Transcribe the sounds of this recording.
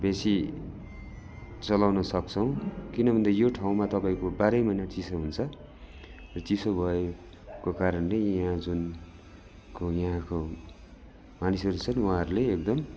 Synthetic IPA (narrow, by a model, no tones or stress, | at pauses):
besi | t͡sʌlawnʌsʌk̚t͡sʰʌw̃kinʌbʱʌnd̪ajoʈʰaw̃mat̪ʌpajkobaɾʌjmʌjnat͡sisoɦunt͡sʰʌ | rʌt͡sisobʱʌe | kokaɾʌnlejʌɦãd͡zun | kojʌɦãko | manisʌɾut͡sʰʌnwuɦaɾuleek̚d̪ʌm